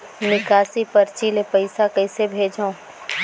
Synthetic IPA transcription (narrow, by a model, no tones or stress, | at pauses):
nɪkaːsipəɾt͡ʃiːlepɐɪsakɐɪsebʱeːd͡ʒaõ